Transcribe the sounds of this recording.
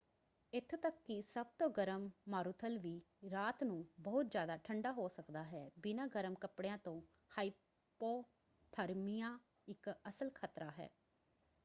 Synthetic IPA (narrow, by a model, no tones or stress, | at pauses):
ɪt̪ʰːt̪əkːisəb̚t̪õːɡəɾəmːaːɾuːt̪ʰəlʋiː | ɾaːt̪nũːbəːʊt̪zjaːd̪aːʈʰəɳɖaːɦoːsəkd̪aːɦɛːbɪnãːɡəɾəmkəpɽejãːt̪õː | haːi | poː | t̪ʰəɾmijãː | ɪkəsəlkʰaːt̪ɾaːɦɛ̰ː